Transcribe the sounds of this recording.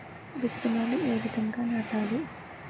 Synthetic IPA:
ʋit̪ːumɐnie̞ːʋid̪ɐŋɡaːnaːʈaːli

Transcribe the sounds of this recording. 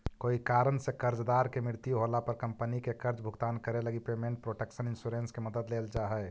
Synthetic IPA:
koːikaːɾənsekəɾd͡ʒd̪aːɾkemɪɾt̪juɦolapəɾkə̃mpənikekəɾd͡ʒbʱʊɡt̪aːnkəɾeləɡipeːmẽːɳʈ̚pɾoːʈekʃənɪnsuɾẽnskeməd̪əd̪leːld͡ʒaːɦɛ

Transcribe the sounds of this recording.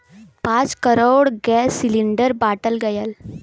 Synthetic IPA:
pãt͡skəɾoɽɡɛsːiliɳɖəɾbaʈəlɡəjal

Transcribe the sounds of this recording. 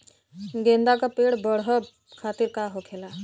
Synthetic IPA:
ɡend̪akapeɽbəɽɦʌ | kʰat̪iɾkaɦokʰela

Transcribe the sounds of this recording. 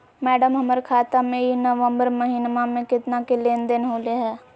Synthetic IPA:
mɛːɖəmɦɐməɾkʰaːt̪amẽinəʋə̃mbəɾmɐɦiːnmamẽkɪt̪nakeleːnd̪ɪnɦoːleɦɛː

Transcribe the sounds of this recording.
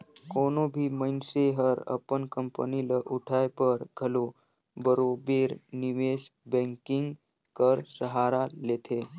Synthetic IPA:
koːnobʱiməɪnseɦəɾə̰pənkəmpəniləʔuʈʰajpəɾɡʱəlo | bəɾobeɾniʋeʃbɛ̃ŋkɪŋɡ | kəɾsəɦaɾaleːt̪ʰe

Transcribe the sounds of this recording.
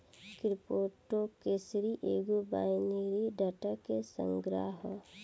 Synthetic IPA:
kɾɪpoːʈːokesɾiʔeːɡuba̰ːjneɾiɖəʈakesə̰̃ŋɡɾa̰ɦə

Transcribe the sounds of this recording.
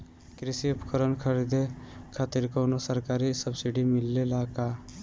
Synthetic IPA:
kɾisiupkəɾənkʰəɾid̪ekʰat̪iɾkonosəɾkaɾisəbsiɖimilːelaka

